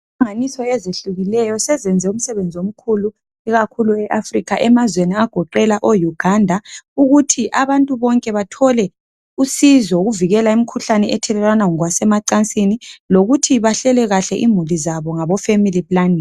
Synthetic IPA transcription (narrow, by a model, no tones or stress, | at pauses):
i | ŋanisɔezeɬuɣilɛjɔsɛzɛnd͡zʱɛum̩sɛβend͡zʱiom̩kʰulu | iɣakʰuluɛʔafrikʰaʔɛmazweniaɡ̥ʱɔǃɛlaʔojuɡ̥ʱandʱauɣutʰiʔaβantʼuβɔŋkʼɛβatʰɔlɛ | usizɔuɣuviɣɛlaimikʰuɬanɛɛtʰɛlɛlwanaŋɔɣwasɛmaǀant͡sʼiniloɣutʰiβaɬɛlɛɣaɬɛʔimulizaβɔŋaβɔfemilipʼlaniː